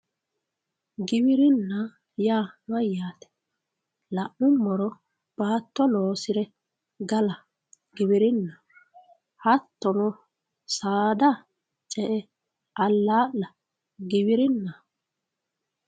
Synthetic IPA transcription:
ɡɪbɪɾɪnːɐ | jaːmɐjːaːt̪ɛ̥ | lɐʔʊmːɔɾɔ | b̥aːt̪ːɔloːsɪɾɛ | ɡɐlɐ | ɡɪβɪɾɪnːɐ | hɐt̪ːɔnɔ | saːd̪ɐ | t͡ʃʼɛʔɛ | ʔɐlːaːʔlɐ | ɡɪβɪɾɪnːɐ

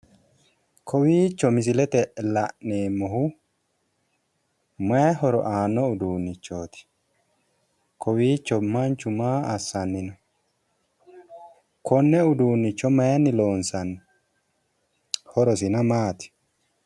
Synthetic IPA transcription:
kʰɔwiːt͡ʃːɔmɪs̬ɪlɛt̪ɛlɐʔneːmːɔhʊ | mɐjɦɔɾɔ̰ʔaːnːɔʊd̪uːnːɪt͡ʃːoːt̪ɪ̥ | kɔwiːt͡ʃːɔmɐnt͡ʃːʊmaːɐsːɐnːɪnɐ | kʰɔnːɛʊd̪uːnːɪt͡ʃːɔmɐjnːɪloːnsɐnː | hɔɾɔsɪnɐmaːt̪ɪ̥

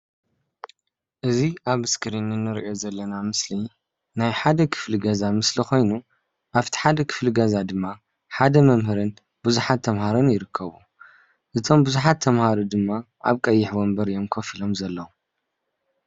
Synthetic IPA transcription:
ʔɨziʔaβɨskʰɨɾinɨnːɨɾʔo̞zɐlːɐnamɨsli | najħad̪ɐkʰɨ̥fliɡɐzamɨslixo̞jnu | ʔaβt̪ʰi̥ħad̪ɐkʰɨ̥fliɡɐzad̪ɨmːa | ħad̪ɐmɐmhɨɾɨn | b̥uzuħat̪ʰːɐmɦaɾonjɪɾɨkʰːɐβu | ʔɨt̪ʰo̞mbuzuħat̪ʰːɐmhaɾud̪ɨmːaʔa̰βkʼɐjːɪħbombɐɾjo̞mkʰofilo̞mzɐlːɐwu

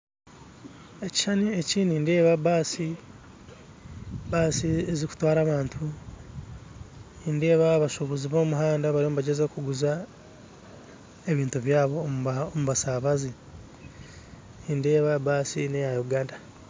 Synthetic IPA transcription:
e̞ci̥ʃanieciːniːnde̞ːβabaːsi | baːsieziku̥twaːɾaːβaːntʰu | inde̞ːβaβaʃuβuziβo̞ːmuɦaːndaβaɾiombaɟezekuɡuza | e̞βiːntuβjaːβoomuβasaβazi | inde̞ːβabaːsḭnejajuɡaːnda

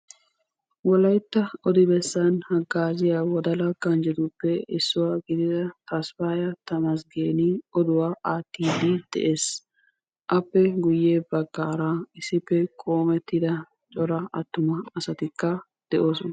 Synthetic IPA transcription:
wɔlɐjt̪ːɐɔd̪ɪbɛsːɐnhɐɡːaːzɪjawɔd̪ɐlɐɡɐnd͡ʒɛd̪ʊpːɛɪsːʊwaːɡɪd̪ɪd̪ɐt̪ɐsfaːjɐt̪ɐmɐs̬ɡeːnɪɔd̪ʊwaːʔaːt̪ːiːd̪ɪd̪̥ɛ̰ʔe̞ːs | ʔɐpːɛɡʊjːeːbɐɡːaːɾaːɪsːɪpːɛkʼo̞ːmɛt̪ːɪd̪ɐ | t͡ʃʼɔɾɐʔɐt̪ːʊmɐɐsɐt̪ɪkːɐ | d̪̥ɛʔo̞ːsɔnɐ

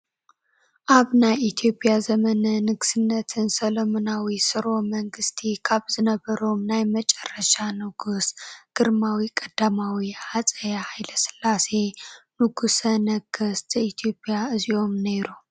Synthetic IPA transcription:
ʔaβnajit̪ʰijo̞pʼjazəmənɐnɨɡsɨnːət̪ʰɨnsɐləmonawisɨɾo̞məŋɡɨst̪ʰikʰaβzɨnəbːəɾomnajmət͡ʃʼɛrːəʃanɨɡusɡ̥ɨɾmawikʼɐd̪̥amawihasʼəjahajləsɨ̥lːase̞nɨɡusənəɡɨst̪ʰit̪ʰjo̞pʼjaʔɨzio̞mneɾu

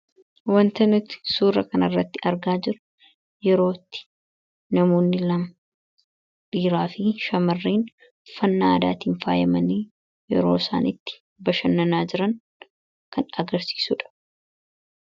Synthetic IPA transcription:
wɐnt̪ɐnɪt̪suːrːɐkɐnɐrːɐt̪ːɪʔɐɾɡaːd͡ʒɪɾʊ̥ | jɛɾo̞ːt̪ːɪ̥ | nɐmo̞ːnːɪlɐmɐ | biːɾaːfɪʃɐmɐrːiːn | fɐnːaːd̪aːt̪iːnfaːjɐmɐniː | jɛ̰ɾo̞̰ːsa̰ːnɪt̪ːɪ̥ | bɐʃɐnːɐnaːd͡ʒɪɾɐŋ | kɐnɐɡɐɾsi̥ːsuːᶑɐ̥

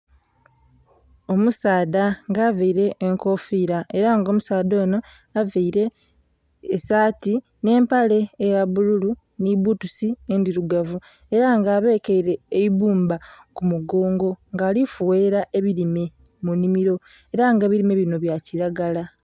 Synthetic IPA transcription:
o̞musaːdaŋɡaːveiɾe̞ːŋko̞fiːɾae̞ɾaŋɡo̞ːmusaːdo̞ːno̞ | aveiɾe̞ː | saːti | ne̞ːmpale̞ːjaβululu | niβutusiendiɾuɡavu | e̞ɾaŋɡaːβe̞ːkeiɾe̞ːiβuːmba | kumuɡo̞ːŋɡo̞ŋɡaːlifuwe̞ɾaʔe̞βiɾime̞ | munimiɾo̞ | e̞ɾaŋɡeβiɾime̞βino̞βjaciɾaɡala

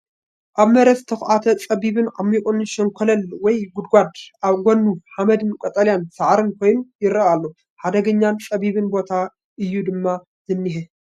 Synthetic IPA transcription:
ʔaβmɐɾɐst̪ʰɐxʔat̪ʰɐt͡sʼɐβiβɨnʕa̰mikʼunʃɐŋkʰɐlɐlwɔjɡʊd̪ɡʷad̪ʔaβɡʷonːuħamɐd̪ɨnkʼot̪ʼɐljansɐʕɾɨnkʰo̞jnujɪɾɐalːo | ħad̪ɐɡɐɲːant͡sʼɐβiβɨnbo̞t̪ʰa | ʔɨjːud̪ɨmːa | zɨnːiɦɨ

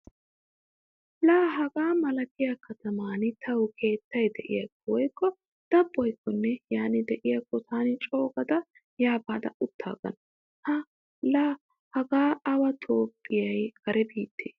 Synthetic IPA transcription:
laːɦɐɡaːmɐlɐkɪjakʰɐt̪ɐmaːnɪt̪ʰːɐwkʰe̞ːt̪ːɐjd̪ɛʔɪ̰jɐkːɔwɔjkːɔ | d̪̥ɐbːɔjkːɔnːɛjaːnɪd̪ɛʔɪjɐkːɔt̪ʰaːnɪt͡ʃʼo̞ːɡɐd̪ɐ | jaːbaːd̪ɐ̰ʊt̪ʰːa̰ːɡɐ̰nɐ | hɐ | laː | hɐɡaːɐwɐt̪ʰo̞ːpʼːɪjɐjɡɐɾɛbiːt̪ːeː

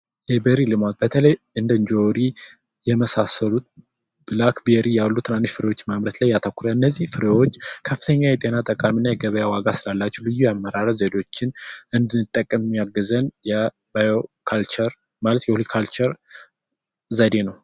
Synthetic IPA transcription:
jɛbeɾilɨmat̪̚bət̪ʰələj | ɨnd̪əɨnd͡ʒoɾi | jɛməsasəlut̪̚ | b̥ɨlakbeɾijalːut̪ʰɨnanːiʃfɨɾewo̞t͡ʃːmamɾət̪lajːat̪ʰəkʷːuɾəɨnːəzːihfɨɾewot͡ʃːkʰəfɨ̥t̪ʰəɲːajɛt̪ʼe̞nat̪ʼəkʼaminːajɛɡəβəjawaɡasɨlalːat͡ʃːɛwlɨjːujamːəɾaɾəzed̪o̞t͡ʃːɪnɨnd̪ɨnːɨt̪ʼːəkʼːəmmijaɡːəzənjɛ | bajokʰalt͡ʃəɾ | malət̪jɛhulikʰalt͡ʃɛɾ | zad̪e̞nəw

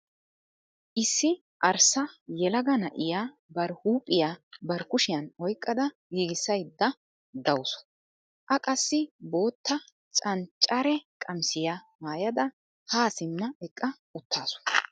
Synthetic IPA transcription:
ʔɪsːɪ | ʔɐɾsɐjɛlɐɡɐnɐʔɪjaː | bɐɾhuːpʼːɪjabɐɾkʊʃɪjɐnɔjkʼːɐd̪ɐ | ɡiːɡɪsːɐjd̪ːɐ | d̪ɐwsɔ̥ | ʔɐkʼɐsːɪbo̞ːt̪ːɐ | t͡sʼɐnt͡ʃʼːɐɾɛkʼɐmsɪjamaːjɐd̪ɐ | haːsɪmːɐɛkʼːɐ | ʊt̪ʰːaːsʊ̥

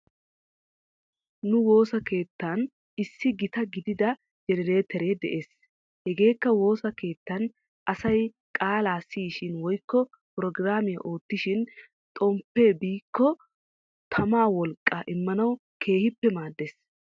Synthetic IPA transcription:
nʊwo̞ːsɐke̞ːt̪ːaːn | ɪsːɪɡɪt̪ɐɡɪd̪ɪd̪ɐ | d͡ʒɛnɛɾe̞ːt̪ʰɛɾed̪ɛ̰ʔe̞ːs | hɛɡe̞ːkːɐwo̞ːsɐke̞ːt̪ːɐn | ʔɐsɐj | kʼaːlaːsːiːʃɪnwɔjkːɔ | pʊɾɔɡɾaːmɪjɐ̰ʔo̞ːt̪ːɪʃɪn | t̪ʼɔmpːe̞ːbiːkːɔ | t̪ʰɐmaːwɔlkʼːaʔɪmːɐnɐw | kʰe̞ːhɪpːɛmaːd̪ːeːs

